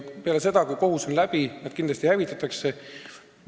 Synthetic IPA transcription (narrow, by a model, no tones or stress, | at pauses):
pe̞ɑles̬e̞d̪ɑkujko̞ɦusonlæb̥inæd̪̥kind̪lɑst̪ihævit̪ːˑɑt̪ːˑɑkse